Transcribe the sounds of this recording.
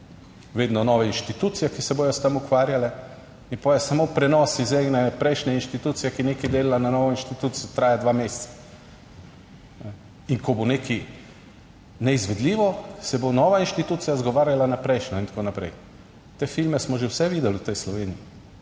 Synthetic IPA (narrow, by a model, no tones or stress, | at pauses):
ʋeːd̪nɔnɔːʋɛinʃt̪it̪ut̪sijɛkisɛboːjɔst̪amukʋaːɾjalɛ | ipojɛsamopɾɛnɔːsizɛɡnɛpɾɛɪʃnɛinʃt̪it̪uːt̪sijɛkineːkid̪eːlalananɔːʋɔinʃt̪it̪uːt̪sijɔt̪ɾaːjad̪ʋamest̪sḁ | nɛ | iŋkɔboneːki | nɛizʋɛd̪liːʋɔsɛbonɔʋainʃt̪it̪uːt̪sijazɡɔʋaːɾjalanapɾɛɪʃnɔint̪ḁkoːnapɾɛ̰j | t̪eːfilmɛsmɔʒewsɛʋiːd̪ɛlut̪ɛjslɔʋeːniji